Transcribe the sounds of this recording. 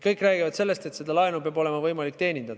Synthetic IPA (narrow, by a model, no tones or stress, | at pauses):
kɤjkːˑræːɡ̥ivɑd̪se̞lːe̞st̪e̞t̪se̞d̪̥ɑlɑenupeɑbo̞le̞mɑvɤjmɑlik̚ːt̪e̞ːnʲind̪̥ɑd̪